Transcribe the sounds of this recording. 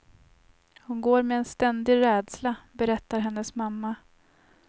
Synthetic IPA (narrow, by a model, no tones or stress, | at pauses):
hʊnɡoːɾmɛːnst̪ɛnd̪ɪɾɛːd̪slabɛɾɛt̪ːaɾɦɛnːəsmamːa